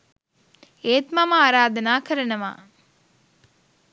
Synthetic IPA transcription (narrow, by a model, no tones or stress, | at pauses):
eːt̪maməaːɾaːd̪ɐnaːkəɾɐnɐʋa̰ː